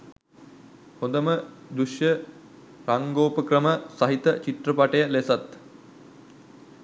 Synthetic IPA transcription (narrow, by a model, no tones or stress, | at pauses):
hõnd̪əmə | d̪uʃjə | raŋɡoːpəkrəməsaɦit̪ət͡ɕit̪rəpaʈəjəlesat̪